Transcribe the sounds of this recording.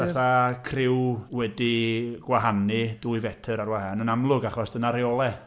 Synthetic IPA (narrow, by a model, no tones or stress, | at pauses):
vaθakʰrɪwwɛdiɡ̥waɦanɨduːjvɛtʰɨɾaɾwahanənamlˠʊɡaχɔsd̥ənaɾjɔlˠɛ